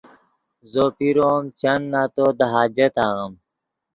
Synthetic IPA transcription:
zopiɾomt͡ɕɐnːaːt̪od̪ɐɦaːd͡ʑet̪aːɣɐm

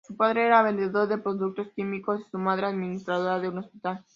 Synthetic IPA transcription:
supaðɾe̞eɾaβ̞e̞nd̪e̞ðo̞ɾðe̞pɾo̞ðuk̚t̪o̞skimiko̞si̥sumað̞ɾeaðminist̪ɾaðo̞ɾaðeuno̞spit̪al

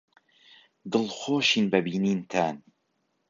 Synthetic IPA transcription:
d̪ɨlˠxoːʃiːnbɐbiːniːnt̪ʰaːn

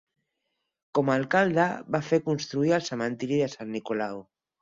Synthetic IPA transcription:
komalkald̪aβafeɾkunst̪ɾuialsamãnt̪iɾiðesanːikolaw

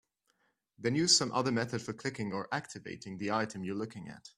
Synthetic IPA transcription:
ðɨ̃njʉz̥sʌ̃mʔʌ̰ðə˞mɛθɨd̥fə˞kʰl̥ɪkɪ̃ŋə˞ʔæk̚tʰɨvḛɪɾɪ̃ŋðiaɪɾɨ̃mjə˞lʊkɪ̃ŋɨ̰t

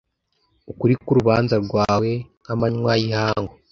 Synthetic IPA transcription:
ukuɾikuɾuβaːnzaɾɡwaːwe̞ | amaɲwajihaːŋɡo

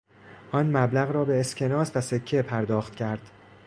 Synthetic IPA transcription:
ʔɒːnmæblæɣɾɒːbe̞ːscʲʰe̞nɒːsvæsecʰːepʰæɾd̪ɒːxt̪̚cʰæɾd̪̥

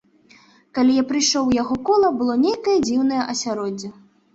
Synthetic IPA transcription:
kalʲijapɾɨjʂɔwjaɣɔkɔlˠɐbɨlˠɔnʲejkɐjɐd͡zʲiwnɐjɐʔɐsʲaɾɔd͡zʲːɐ

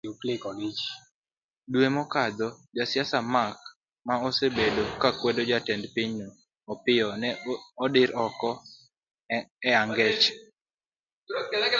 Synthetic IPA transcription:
uklɪkɔɡit͡ʃ | dwemɔkad̪ɔd͡ʒasjasamak̚ | maosebedokakwedod͡ʒatɛndpɪɲnɔː | pɪɔnɛɔdɪɾɔkɔ | ɛaŋɡɛt͡ʃ

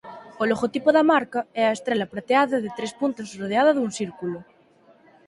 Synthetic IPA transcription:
oloɣot̪ipoðamaɾkaɛaest̪ɾelapɾat̪eaðaðet̪ɾespunt̪asroðeaðɐðunsiɾkulo

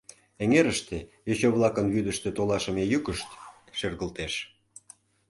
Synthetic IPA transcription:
eŋeɾəʃt̪ejet͡ɕoβlˠɑkənβyd̪əʃt̪ĕt̪olɑʃə̆mejykəʃt̪ | ʃerɣəlt̪eʃ

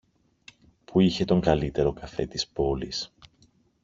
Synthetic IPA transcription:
puiçe̞t̪o̞ŋɡɐlit̪e̞ɾo̞kɐfe̞̰t̪ispo̞lḭs

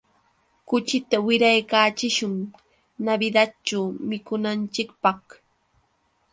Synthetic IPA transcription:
kʊt͡ʃɪt̪awɪɾajkaːt͡ʃɪʃʊŋ | nabɪd̪att͡ʃawmɪkʊnant͡ʃɪkpɑχ

